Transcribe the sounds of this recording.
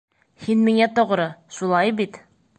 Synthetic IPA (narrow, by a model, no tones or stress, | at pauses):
hinmiŋæt̪ŏʁɾɤʃulˠɑjbit̪